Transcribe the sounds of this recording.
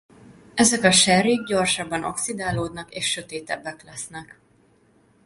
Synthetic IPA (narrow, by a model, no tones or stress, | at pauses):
ɛzɛkɒʃɛɾiɡ̚ɟo̞rʃɒbːɒno̰ksid̪aːloːd̪nɒkeːʃːø̞t̪eːt̪ɛbːɛklɛsn̪ɛk